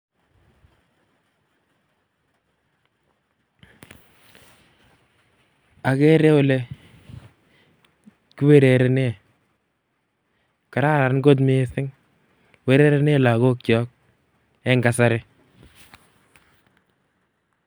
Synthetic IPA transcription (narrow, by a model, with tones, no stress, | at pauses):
a˨kɛ˦ɾe˦ʊ˦˨le˦ | ku˦we˦ɾe˨ɾe˨ne˦˨ | ka˨ɾa˦ɾa˨nɡo˦t̬mɪ˦sɪ˦ŋ | we˦ɾe˦ɾe˦ne˦˨la˨ɣo˦k̚t͡ʃɔ˨˦k̚ | ɛ˦ŋɡa˨sa˦ɾɪ˦